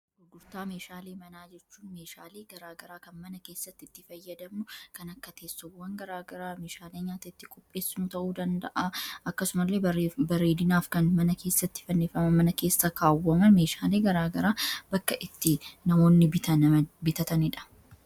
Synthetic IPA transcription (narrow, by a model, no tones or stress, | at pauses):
ɡʊɾɡʊɾt̪aːmeːʃaːleːmɐnaːd͡ʒɛt͡ʃːuːnmeːʃaːleːɡɐɾaːɡɐɾaːkɐnmɐnɐkeːsːɐt̪ːɪɪt̪ːɪfɐjːɐd̪ɐmʊkɐnɐkːɐt̪ʰe̞ːsːɔwɐŋɡɐɾaːɡɐɾaːmeːʃaːleːɲaːt̪ɐɪt̪ːɪkʼɔpʼːe̞ːsːɪnʊt̪ɐʔuːd̪ɐnd̪ɐ̰ʔaɐkːɐsʊmɐlːe̞ːɐbɐɾe̞ːd̪ɪnaːfkɐnmɐnɐkʰe̞ːsːɐt̪ːɪ̥fɐnːeːfɐmɐmɐnɐkeːsːɐkaːwːɐmɐnme̞ːʃaːle̞ːɡɐɾaːɡɐɾaːbɐkːɐʔɪt̪ːɪnɐmo̞ːnːɪbɪt̪ɐnbɪt̪ɐt̪ɐnɪᶑɐ̥